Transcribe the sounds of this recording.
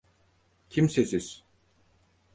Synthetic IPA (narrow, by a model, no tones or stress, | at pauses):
cʰimsesiz̥